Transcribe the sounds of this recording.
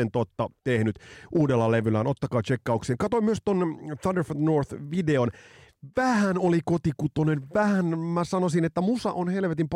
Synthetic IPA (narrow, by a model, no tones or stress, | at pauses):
ent̪ot̪ːɑt̪ehnyt̪ʔuːdelːɑleʋylæːnot̪ːɑkɑːt͡ʃekːɑukseːŋkɑt̪oimyøst̪onθɑnderfnorθʋideonʋæhænolikot̪ikut̪onenʋæhænmæsɑnosinet̪ːæmusɑʔonhelʋet̪imp